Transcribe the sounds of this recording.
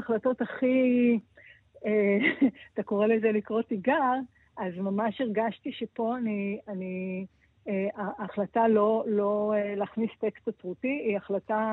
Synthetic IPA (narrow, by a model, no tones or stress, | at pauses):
χlato̞taχi | eat̪ako̞ʁelezelikʁo̞tiɡaʁ | ʔazmamaʃeʁɡaʃtiʃepo̞aniani | eaːχlatalo̞lo̞elaːχnist̪ekstat͡sʁutiːaχlata